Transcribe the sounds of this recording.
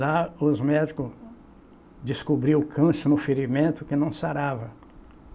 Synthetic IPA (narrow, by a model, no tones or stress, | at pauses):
aʊzmɛd͡ʒikʊ | d͡ʒ̪ɪskubɾiwʊkʰɐ̃sʊnʊfeɾimẽnt̪ʊkɪnɐ̃w̃saɾavɐ